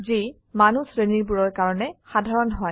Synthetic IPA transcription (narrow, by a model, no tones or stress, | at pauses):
zi | manusɹeniɹbuɹɔɹkaɹɔnɛxadʱaɹɔnɦɔj